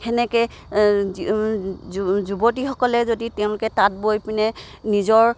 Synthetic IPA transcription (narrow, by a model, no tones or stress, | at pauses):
xɛnɛkɛ | zubotixɔkɔlɛzoditɛʊ̃lʊkɛtat̚bojpinɛ | nizɔɹ